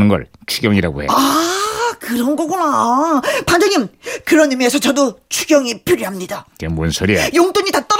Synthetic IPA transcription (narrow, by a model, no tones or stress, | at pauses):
nɯnɡʌ̰ɭt͡ɕʰuɡjʌŋiɾaɡo̰hḛa | kɯɾʌnɡʌɡona | pand͡ʑʌɲimkɯɾʌnime̞sʰʌt͡ɕʌdot͡ɕʰuɡjʌŋipʰiɾjoɦamɲidakemwʌnsʰoɾiḛjoŋt͈oɲitat͈ʌ